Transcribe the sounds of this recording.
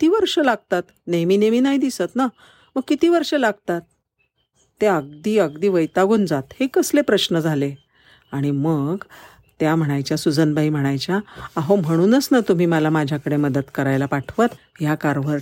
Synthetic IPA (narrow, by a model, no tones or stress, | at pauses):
kit̪iːʋəɾʂəlaɡ̚t̪at̪ | nemiːnemiːnaɦid̪isət̪na | məɡ̚kit̪iːʋəɾʂəlaɡt̪at̪ː | eəɡ̚d̪iːəɡd̪iːʋəjt̪aɡuːnd͡zat̪hekəslepɾəɕnəd͡zʱale | aɽ̃iməɡ | t̪jam̤əɽ̃ajt͡ɕjasud͡zənbaim̤əɽ̃ajt͡ɕjaːɦom̤əɽ̃uːnəsnat̪um̤iːməlamad͡ʑʱjakəɽeməd̪ət̪kəɾajlapaʈʰʋət̪ | jakaɾʋəɾʈ